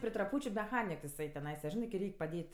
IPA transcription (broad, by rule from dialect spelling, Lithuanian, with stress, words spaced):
pʲrʲɪ trɐˈpuːt͡ʃʲʊ mʲɛˈxɑːnʲɪk jɪˈsɐɪ tʲɛˈnɐɪsɐ ˈʒʲɪnɐɪ kɐɪ ˈrʲɛɪkʲ pɐˈdʲeːtʲ